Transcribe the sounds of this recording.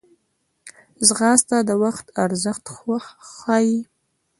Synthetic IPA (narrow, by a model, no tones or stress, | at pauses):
zʁɑst̪ad̪əwaχt̪ʰaɾzəχt̪xɑːji